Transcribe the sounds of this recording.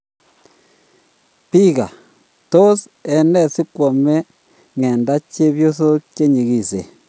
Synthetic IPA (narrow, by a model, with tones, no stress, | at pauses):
pi˦ɣa˨ | to˦s | e˨ne˦si˦kwo˨me˦ | ŋe˨nda˦t͡ʃe˦βjo˦so˦t͡ʃe˦ɲi˨ɣi˦˨sḛ˨